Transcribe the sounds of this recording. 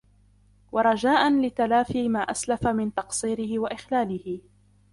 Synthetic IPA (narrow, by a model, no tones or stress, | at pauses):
wɑɾˤɑd͡ʒaːʔanlɪt̪alaːfiːmaːʔaslafamɪnt̪ɑqsˤiːɾɪhɪwaʔɪxlaːlɪhɪ